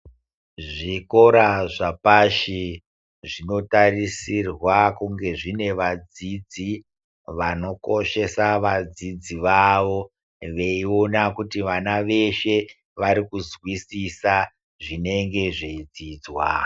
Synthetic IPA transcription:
ʐiko̞ɾaʐapaʃi | ʐino̞tarisirwakuŋɡe̞ʐine̞ʋad͡zid͡zi | ʋano̞ko̞ʃe̞saʋad͡zid͡ziʋaʋo̞ | ʋe̞io̞nakutiʋanaʋe̞ʃe̞ | ʋaɾikuzwisisa | ʐine̞ŋɡe̞ʐeid͡ziːd͡zwa̰

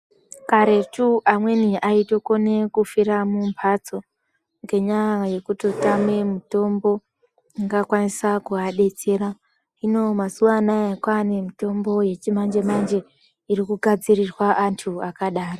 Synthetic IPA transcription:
kaɾe̞tuʔamwe̞niʔaito̞kone̞kufiɾamumpʰat͡so̞ | ŋɡe̞ɲaaje̞kutotame̞mito̞mbo̞ | iŋɡakwanisakuaɗe̞t͡se̞ɾa | ino̞masuʋanajekwanemito̞mbo̞je̞t͡ʃimand͡ʒe̞mand͡ʒe̞ | iɾikuɡʱad͡zirirwaʔantʰuakaɗaːro

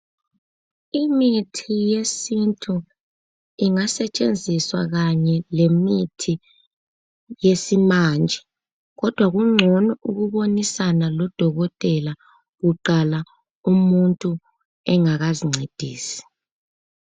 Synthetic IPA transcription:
imitʰijesintʰʼu | iŋasɛt͡ʃʼend͡zʱiswa̰ɣaɲɛlemitʰi | jesimand͡ʒʱɛ | ɣɔd̥ʱwaɣuŋ͡ǀʱɔnɔʔuɣuβonisanalɔd̥ʱɔɣɔtʼɛla | ɣuǃala | umuntʼu | ɛŋaɣaziŋ͡ǀʱed̥ʱiːsi̥

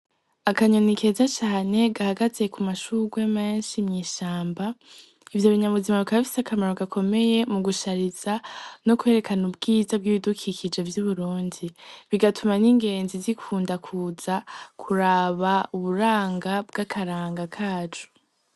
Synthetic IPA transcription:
akaɲonikʰe̞zat͡ʃaːne̞ɡahaɡazekʰumaʃuɡweme̞ːnʃimɲiːʃaːmba | ivjo̞βiɲaβuzimaβikaβafi̥sakamaɾoɡakʰo̞me̞je̞muɡuʃaɾiz̥anokwe̞ːɾe̞kanubɡiːzabɡiβidukʰikʰid͡ʒe̞vjuβuɾuːndiβiɡatʰumaniŋɡe̞ːnzizikʰuːndakʰuːz̥akʰuɾaβauβuɾaːŋɡab̚ɡakʰaɾaːŋɡakʰaːd͡ʒu̥

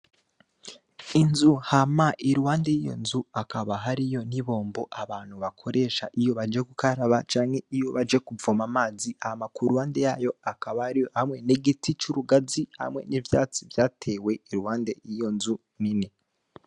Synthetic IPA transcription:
inzuhamaʔiɾuhaːnde̞jijo̞̰nzuakʰaβaɦaɾijo̞niβo̞ːmboʔaβaːn̥huβakʰo̞ɾʔe̞ʃaʔijo̞βad͡ʒe̞kukaɾaβat͡ʃaːŋhe̞ijo̞βad͡ʒe̞kuvomamaːziaamakuɾuwaːnde̞jaːjo̞akaβaihamŋe̞neɡitit͡ʃuɾuɡaziha̰mŋe̞̰nivja̰ːt͡sivjaːtʰe̞ːwe̞iɾuwaːnde̞jijo̞nzu | nini

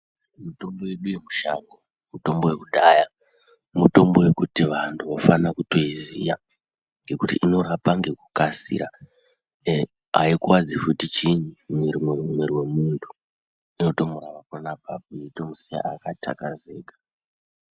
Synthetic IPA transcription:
muto̞mbo̞we̞ɗujemuʃa̰ŋɡo | muto̞mbo̞wekuɗaja | muto̞mbo̞we̞kutiʋantʰuʋafanakuto̞izija | ŋɡe̞kutiʔino̞ɾapaŋɡe̞kukasḭɾa | aikuwad͡zifutit͡ʃiɲumirimwiɾiwe̞muntʰu̥ | ino̞to̞muɾaʋakonapap̚uito̞musija̰akatʰa̰kaze̞ːkḁ

